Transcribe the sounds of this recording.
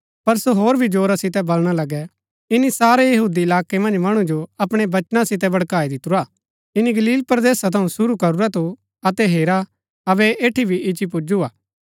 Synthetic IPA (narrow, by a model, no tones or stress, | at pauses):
pɐɾsoɦoːɾbʱid͡ʒoːɾasɪt̪ɛbɐlɽ̃alɐɡɛ | ɪnisaːɾejɐɦuːd̪iɪlaːkemɐ̃nd͡ʒmɐɽ̃ũd͡ʒoɐpɽ̃ebɐt͡ʃnãsɪt̪ɛbɐɽkaːid̪ɪt̪uɾaː | ɪniɡɐliːlpɾɐd̪eːsat̪ʰɐũsʊɾukɐɾuɾat̪ʰu | ɐt̪ɛɦeːɾa | ɐbɛʔeːʈʰibʱiɪt͡ʃipʊd͡ʒuaː